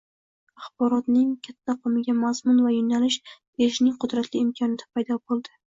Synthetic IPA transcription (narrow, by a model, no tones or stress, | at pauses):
aχbɒɾɒt̪nɪŋkʲʰat̪ʰːaqʰɨmɪɡʲamazmʊnvajʊnalɪʃ | eʃnɪŋqʰʊd̪ɾat̪lɪːmkʰɒnɪd̪ʰḁpʰajd̪ɒbolˠd̪ɪ